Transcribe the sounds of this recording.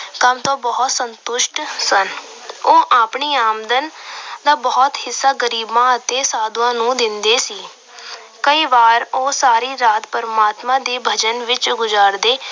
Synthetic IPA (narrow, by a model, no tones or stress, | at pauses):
kəmt̪õːbɔːt̪sənt̪ʊʃʈsən | oːʔaːpɳiːaːmd̪ənd̪aːbɔːt̪hɪsːaːɡəɾiːbmãːət̪eːsaːd̪wãːnũːd̪ɪnd̪eːsiː | kəiːʋaːɾoːsaːɾiːɾaːt̪pəɾmaːt̪mãːd̪eːbʱəd͡ʒənʋɪt͡ʃɡʊzaːɾd̪eː